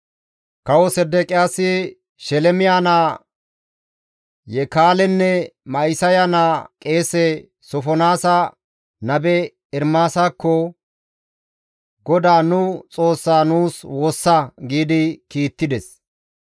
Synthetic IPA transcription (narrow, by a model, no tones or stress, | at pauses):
kɐwɔsɛd̪ɛkʼɪjaːsɪ | ʃɛlɛmɪjanaː | jɛkaːlɛnːɛmɐɪsɐjanaːkʼe̞ːsɛ | sɔfɔnaːsɐ | nɐbɛ | ɪɾmaːsaːkːɔ | ɡɔd̪aːnʊt͡sʼo̞ːsːaːnuːswoːsːaɡiːd̪ɪkiːt̪ːɪd̪ɛs